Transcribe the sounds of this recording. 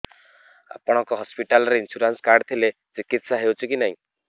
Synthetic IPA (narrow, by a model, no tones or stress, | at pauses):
a̰pɔɽ̃ɔ̃kɔɦɔspiʈalɔɾeinsuɾanskaɾɖt̪ʰilet͡sikit̪saɦewt͡ʃʰikinaɦĩ